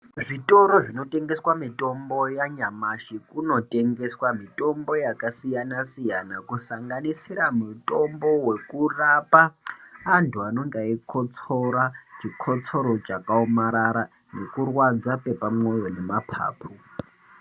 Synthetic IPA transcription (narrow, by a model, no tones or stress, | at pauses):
ʐitʼo̞ɾo̞ʐino̞te̞ŋɡe̞swamitʼo̞mbo̞jaɲamaʃikuno̞tʼe̞ŋɡe̞swamitʼo̞mbo̞jakasijanasijanakusaŋɡanisiɾamutʼombo̞we̞kurapaː | ntuano̞ŋɡaikʰot͡sʰo̞ɾat͡ʃikʰot͡sʰo̞ɾo̞t͡ʃakaomaɾaɾa | nekurwad͡zape̞pamwo̞jo̞ne̞mapʰa̰ːpʰu